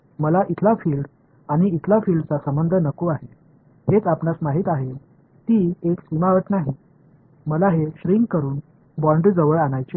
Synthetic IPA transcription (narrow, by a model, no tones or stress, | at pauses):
məlaʔit̪ʰlafiːlɖ | aɽ̃iːt̪ʰlafiːlɖt͡sasəmbənd̪ʱənəkuaɦe | ɦet͡sapnasmaɦiːt̪aɦe | t̪iːeksimaʋəʈnaɦi | məlaɦeɕɾiŋɡkəɾuːn | bɔɳɖd͡zəʋəɭaɽ̃ajt͡ɕe